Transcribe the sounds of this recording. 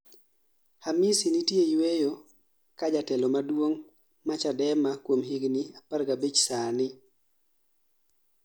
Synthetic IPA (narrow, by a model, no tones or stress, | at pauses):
hamɪsinitjejwejo | kad͡ʒatɛlomadwoŋ | mat͡ʃadɛmakwomɦiɡniapaɾɡabet͡ʃsanɪ